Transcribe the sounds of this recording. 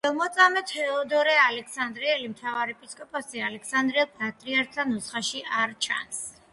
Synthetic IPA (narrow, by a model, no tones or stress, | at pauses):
ɛlˠmɔt̪sʼamɛt̪ɛɔd̪ɔɾɛalɛkʰsand̪ɾiɛlimt̪ʰavaɾipʼiskʼɔpʼasialɛksand̪ɾiɛlˠpʰʼɾat̪ʼɾiaɾt̪ʰanɔsχaʃiʔaɾt͡ʃʰa̰ns